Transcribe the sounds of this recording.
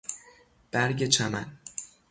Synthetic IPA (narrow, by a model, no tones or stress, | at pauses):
b̥æɾɟe̞t͡ʃʰæmæ̰n